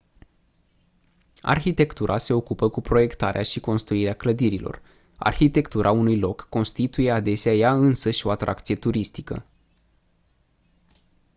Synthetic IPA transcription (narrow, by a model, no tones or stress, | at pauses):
a̰rçit̪e̞kt̪uɾʔase̞o̞kupəkupɾo̞je̞kt̪aɾeaʃiko̞nst̪ɾuiɾeakləd̪iɾilo̞̰r | a̰rçit̪e̞kt̪uɾʔaunujlo̞kːo̞nst̪it̪uje̞ad̪e̞seajaɨnsəʃo̞at̪ɾʔa̰kt̪sije̞t̪uɾist̪ikə̰